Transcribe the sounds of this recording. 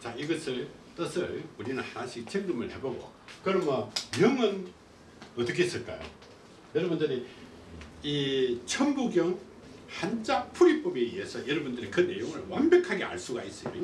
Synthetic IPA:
t͡ɕaiɡʌsʰɯɭ | t͈ɯsʰɯɭuɾinɯnhanaɕʰik̚t͡ɕʰeŋɡɯmɯɭhe̞boɡo̰ | kɯɾʌmʌmjʌŋɯn | ʌtɯk̬ʰes͈ɯɭk͈a̰jo̰ | jʌɾʌbundɯɾi | it͡ɕʰʌmbuɡjʌŋ | hand͡ʑapʰuɾip͈obe̞iɦe̞sʰʌjʌɾʌbundɯɾikɯne̞̰joŋɯɭwambjʌkʰaɡea̰ɭs͈uɡa̰is͈ʌjo̰

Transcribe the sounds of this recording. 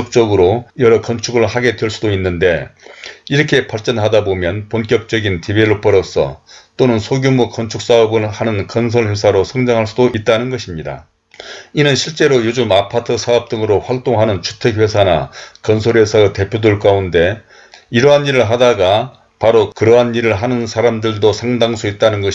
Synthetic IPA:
ʌk̚t͡ɕ͈ʌɡɯɾojʌɾʌkʌnt͡ɕʰuɡɯɭhaɡe̞dweɭs͈udoinːɯnde̞ | iɾʌkʰe̞paɭt͡ɕ͈ʌnɦadabomjʌnponkjʌk̚t͡ɕ͈ʌɡintibeɾopʌɾʌsʰʌ̰t͈onɯnsʰoɡjumukʌnt͡ɕʰuk̚s͈aʌbɯɭhanɯnkʌns̬ʰʌɭɸesʰaɾosʰʌŋd͡ʑaŋɦaɭs͈udoʔit̚t͈anɯnɡʌɕʰimɲida̰ | inɯnɕʰiɭt͡ɕ͈e̞ɾojod͡ʑumapʰatʰɯsʰaʌp̚t͈ɯŋɯɾoɸwaɭt͈oŋɦanɯnt͡ɕʰu̥tʰe̞k̚we̞sʰana̰kʌnsʰoɾe̞sʰʌte̞pʰjodɯɭk͈aunde̞ | iɾʌɦaniɾɯɭɦadaɡa | paɾokɯɾʌɦaniɾɯɭɦanɯnsʰaɾamdɯɭdosʰaŋdaŋsʰuit̚t͈anɯnɡʌɕ

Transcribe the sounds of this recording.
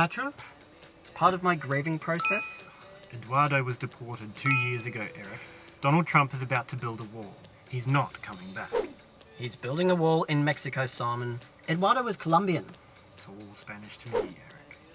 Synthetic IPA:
tʰɹ̥ʌ̃p | ɪtspʰɑɹɾʌvmaɪɡɹeɪvɪ̃ŋpʰɹ̥oʊsɛs | ʔɨdwɑɹɾəʊwʌzdɨpʰɔɹɾɨd̚tʰʉjɪɹzɨɡoʊʔɛɹɨk̚ | d̥ɑñl̩ˠd̚tʰɹ̥ʌ̃mpɨzɨbaʊtʰɨbɪlˠdəwɔlˠ | hiznət̚kʰʌmɪ̃ŋbæ̰k | hiɨzbɪlˠdɪ̃ŋəwɔlˠɪ̃nmɛksɨkʰoʊsɑmə̃n | ɨdwɑɹɾəʊʌz̥kʰəlʌ̃mbiɨ̃n | ɪtsɔlˠspænɨʃtʰɨmiɾiʔɛɹɪk

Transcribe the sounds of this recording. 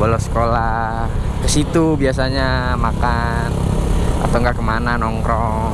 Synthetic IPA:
alawsə̥kola | kəsit̪ubias̬aɲamakana̰t̪awŋɡakəmananɔŋkɾɔ

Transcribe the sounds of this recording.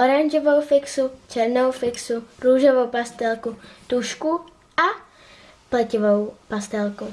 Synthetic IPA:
ʔoɾanʒovowfɪksut͡ʃɛɾnowfɪksuɾuːʒovowpast̪ɛlkut̪uʃku | ʔa | plɛcɪvowpast̪ɛlku

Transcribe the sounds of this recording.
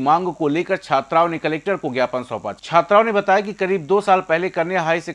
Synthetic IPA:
mãːŋɡkoleːkəɾt͡ʃʰaːt̪ɾaːonekɐleːk̚ʈəɾkoɡjaːpənsɔ̰ːpa̰ːt͡ʃt͡ʃʰaːt̪ɾaːonebɐt̪aːjakikɐɾiːbd̪oːsaːlpɛɦlekɐɾneaɦaːise

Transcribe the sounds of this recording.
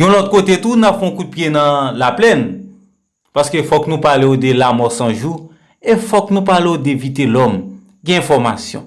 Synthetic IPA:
jɔ̃lɔt̪̚kot̪et̪unapfɛ̃õkud̪̚pjenɐ̃laplɛn | paskøfɔknũpaleod̪elamɔsɐ̃ʒu | efɔknũpaleod̪evit̪elɔm | ɡɛ̃ɛ̃fɔʁmasjɔ̰̃

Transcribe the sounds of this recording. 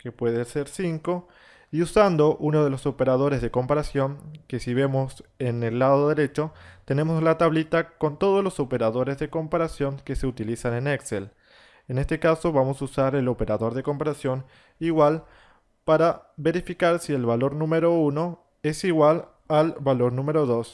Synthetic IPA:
kepwe̞ðeseɾsiŋko̞ | iusand̪oʔunoð̞e̞loso̞pe̞ɾað̞o̞ɾezðeko̞mpaɾasjo̞ŋke̞siβe̞mosenelːaðoðeɾe̞t͡ʃo̞t̪e̞ne̞moslat̪aβlit̪ako̞nt̪o̞ð̞ozlo̞sope̞ɾaðo̞ɾe̞zðe̞ko̞mpaɾasjo̞ŋkese̞ut̪ilisaneneksel | ene̞st̪e̞kaso̞βamo̞susaɾe̞lo̞pe̞ɾaðo̞ɾðe̞ko̞mpaɾasjo̞n | iɣwal | paɾaβe̞ɾifikaɾsielβalo̞ɾnũmeɾo̞uno̞ | e̞siɣwal | alβalo̞ɾnũme̞ɾoðo̞s

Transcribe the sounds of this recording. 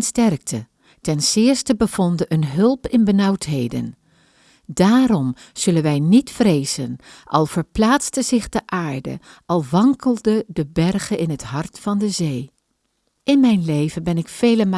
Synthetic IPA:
nstɛrk̚tʰə | tɛnsɪːɹstəbəv̥ɔndəʔənɦɵlˠpɪnbənɑwtɦejdə̰n | daːɾɔm | z̥ɵlənʋɛjnitfrejzənʔɑ̰lˠv̥əɹplaːtstəzɪχdəʔaːɹdə̰ʔɑlˠʋɑŋkəlˠdədəbɛrχənʔɪnɦətɦɑɹtfɑndəzej | ɪnmɛjnlejvənbɛnɪkfejləm

